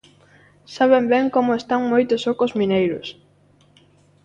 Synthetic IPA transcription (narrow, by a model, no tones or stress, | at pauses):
saβ̞embeŋkomʊest̪aŋmojt̪ʊsokozmĩnejɾʊ̰s